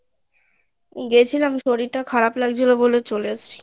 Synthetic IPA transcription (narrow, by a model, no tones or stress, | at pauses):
ɡet͡ɕʰilamiʃoɾiɾʈakʰaɾaplaɡd͡ʑʰilobolet͡ɕoleat͡ɕʰi̥